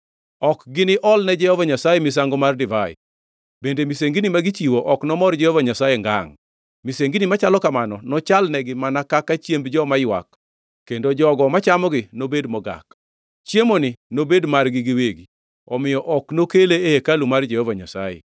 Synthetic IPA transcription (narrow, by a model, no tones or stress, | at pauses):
ɔkɡɪnɪʔɔlnɛd͡ʒɛhɔvaɲasajemis̬aŋɡɔmardɪvajɛ̰ | bendemiseŋɡinimaɡit͡ʃiwoʔɔknɔmɔrd͡ʒɛhovaɲasajeŋɡa̰ŋ | miseŋɡinimat͡ʃalɔkamanɔnɔt͡ʃalnɛɡɪmanakakat͡ʃjembd͡ʒɔmajwa̰kː | endod͡ʒɔɡɔmat͡ʃamɔɡɪnobedmɔɡa̰k | t͡ʃjemonɪnobedmarɡɪɡɪweɡi | ɔmɪjɔʔɔknokeleehekalumard͡ʒɛhɔvaɲasa̰jɛ̰